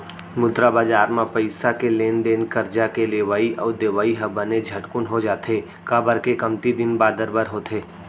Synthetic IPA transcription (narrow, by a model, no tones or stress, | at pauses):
mʊd̪ɾabaːd͡ʒaːɾmãpəɪsakeleːnd̪eːnkɐɾd͡ʒakeleːʋaːiʔɔːd̪eːʋaːiɦɐbəned͡ʒʱɐʈkʊnɦod͡ʒaːt̪eː | kabəɾkekɐmt̪id̪ɪnbaːd̪əɾbəɾɦot̪ʰeː